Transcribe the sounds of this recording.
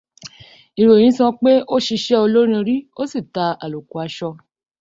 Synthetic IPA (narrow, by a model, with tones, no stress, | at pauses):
i˨ɾõ˨ĩ˨˦sɔ̃˧k͡pe˦o˦ʃi˧ʃɛ˦o˧lo˦ɾ̃ĩ˧ɾi˦o˦si˦˨ta˧a˨lo˨ku˨a˨˧˦ʃɔ˧